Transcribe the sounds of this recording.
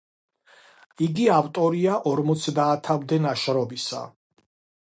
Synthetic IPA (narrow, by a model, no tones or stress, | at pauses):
iɡiavt̪ʼɔɾiaʔɔɾmɔt̪sʰd̪aːt̪ʰamd̪ɛnaʃɾɔbisa̰